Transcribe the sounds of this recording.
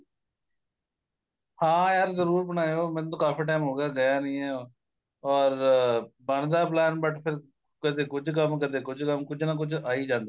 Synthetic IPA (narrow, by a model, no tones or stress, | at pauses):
hãːjaːɾzəɾuːɾbənaːjoːmɛ̃ːt̪õːkaːfʰiːʈaːɪmɦoːɡjaːɡəjaːnəĩːɦɛː | ɔːɾbəɳd̪aːplɛːnbəʈʰpʰɪɾ | kəd̪eːkʊd͡ʒkəmkəd̪eːkʊd͡ʒkəmkʊd͡ʒnak̬ʊd͡ʒʰaːiːd͡ʒãːnd̪aː